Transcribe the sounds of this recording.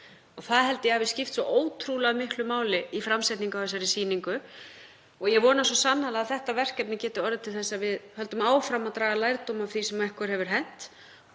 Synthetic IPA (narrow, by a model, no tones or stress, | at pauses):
ɔɣθaðɦɛlt̪ɪjɛavɪscɪft̪sɔʔoːwt̪ʰɾulaɣamɪhklʏmaːwlɪifɾamsajht̪niŋkawθɛsːaɾɪsiːniŋkʏ | ɔɣjɛɣvɔːnasɔsanːalaɣaðθɛht̪avɛr̥cɛp̚nɪcɛːt̪ɪɔɾðɪt̪ʰɪlθɛsːavɪðhœlt̪ʏmaːwfɾamaðt̪ɾaːɣalaːjɾt̪oːwmawθisɛmɛhkʏɾ̥hɛvʏɾ̥ɦɛn̥t̪